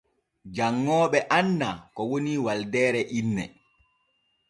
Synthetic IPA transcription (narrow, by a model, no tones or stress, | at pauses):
d͡ʒaŋːɔːɓɛʔanːakɔwoniːwaldɛːɾɛʔinːɛ̰